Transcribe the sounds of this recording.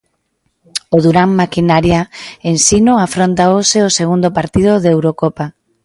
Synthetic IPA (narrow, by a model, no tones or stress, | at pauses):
oðuɾammakinaɾjaensinoafɾont̪aoseoseɣund̪opaɾt̪ið̞oðewɾokopa